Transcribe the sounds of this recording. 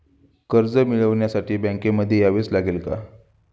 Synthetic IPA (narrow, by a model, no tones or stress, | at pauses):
kəɾd͡zəmiɭəʋɳjasaʈiːbə̃ŋkeməd̪ʱːjejaʋeːt͡slaɡelka̰